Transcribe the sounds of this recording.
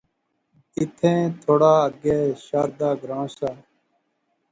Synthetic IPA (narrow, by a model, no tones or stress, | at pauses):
ɪt̪ʰẽːt̪ʰoːɽaːəɡeːʃaːɾd̪aːɡɾãːsaː